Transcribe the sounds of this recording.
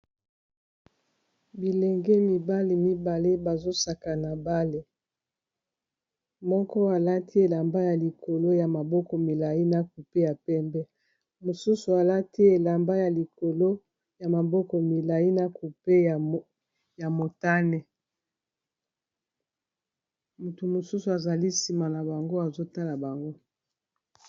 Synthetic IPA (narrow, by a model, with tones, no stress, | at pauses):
bi˨lɛ˨ŋɡe˦mi˨ba˦le˨mi˦ba˨le˦ba˨zo˦sa˨ka˨na˨ba˦le˦ | mɔ˦kɔ˦a˨la˦ti˦e˨la˨mba˦ja˨li˨ko˨lo˦ja˨ma˨bɔ˦kɔ˨mi˨la˨i˦na˨k̚u˨pe˦ja˨pɛ˦mbɛ˦ | mo˨su˦su˨a˨la˦ti˦e˨la˨mba˦ja˨li˨ko˨lo˦ | ja˨ma˨bɔ˦kɔ˨mi˨la˨ji˦na˦ku˨pe˦˨ | ja˨mo˨ta˦nɛ˨ | mu˨tu˨mo˨su˦su˨a˨za˨li˦si˨ma˨na˨ba˨ŋɡo˦a˨zo˦ta˦la˨ba˨ŋɡo˦